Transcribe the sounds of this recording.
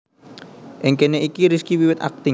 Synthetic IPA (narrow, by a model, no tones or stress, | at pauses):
ʔɪŋkeneʔikiɾiskiwiwɪt̪a̰k̚t̪ɪ